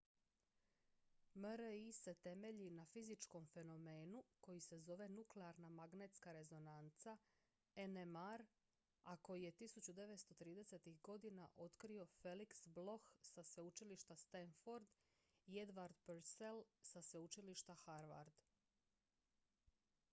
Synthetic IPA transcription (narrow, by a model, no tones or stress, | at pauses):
məɾise̞t̪e̞me̞ʎinafizit͡ʃko̞mfe̞no̞me̞ːnuko̞jise̞zo̞ʋe̞nukleaɾnamaɡne̞t̪skaɾe̞zo̞nant̪sa | enemaɾ | ako̞jije̞t̪isut͡ɕud̪e̞ʋe̞t̪st̪o̞t̪ɾiːd̪e̞se̞t̪ixɡo̞d̪ina̰ʔo̞t̪kɾio̞fe̞liksblo̞xsasʋe̞ut͡ʃiliʃt̪ast̪enfoɾd̪ | ie̞d̪ʋaɾd̪peɾselsaseut͡ʃiliʃt̪axaɾʋa̰ɾd̪